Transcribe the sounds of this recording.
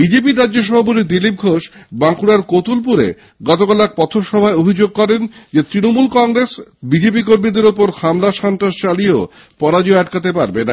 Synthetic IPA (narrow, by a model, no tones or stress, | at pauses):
bid͡ʑep̬iɾadːd͡ʑoʃ̬ɔbʱap̬ot̪̬id̪ilip̚ɡʱoʃbaŋkuɾaɾkot̪ulp̬uɾḛ | ɡɔt̪okalak̚pɔt̪ʰoɾʃɔbʱaeobʱid͡ʑoɡ̚kɔɾend͡ʑet̪ɾinomulkɔŋɾesbid͡ʑep̬ikoɾmid̪eɾopoɾhamlaʃɔnt̪ɾaʃt͡ɕalieo | pɔɾad͡ʑoɛʈkat̪̬epaɾbena